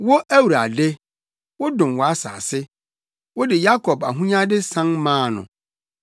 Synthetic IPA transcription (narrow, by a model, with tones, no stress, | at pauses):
wo˦ʔæ˦wu˨ɾa̰˨de˦ | wɔ˦dʊ̃˨mwɔ˨a˦sa̰ː˨sɪ˦ | wɔ˦dɪ˨ja˦kʰɔ˨ba̰˨ɦũ˦ɲã˦dɪ˦sã˦nmãː˦˨nʊ̰̃˨